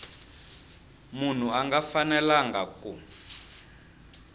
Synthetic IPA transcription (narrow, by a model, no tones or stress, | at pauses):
mun̤uaŋɡafanɛlaŋɡaku